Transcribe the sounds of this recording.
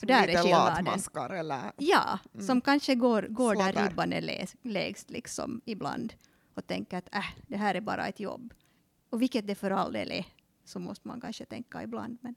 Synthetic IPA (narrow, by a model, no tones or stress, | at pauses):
ɔd̪æːɾɛeɑdmənskaɾɛlːəjɑ̰ːsɔmkanʃəɡoːɾɡoːdæɾɪbːɑnd̪ə̰l̰leːɡst̪lɪksɔ̰mɪbla̰nd̪ | ɔt̪ʰɛŋkːəɾɑt̪ʰæhd̪ɛɦæːɾæbɑ̰ːɾa̰ɛt̪jɔ̰bː | ɔʋɪkːət̪̚d̪ɛfœɾɑld̪ḛːlʔɛ̰ | sɔmɔ̰st̪əma̰nkanʃət̪ʰɛŋkːaɪbla̰nd̪mɛn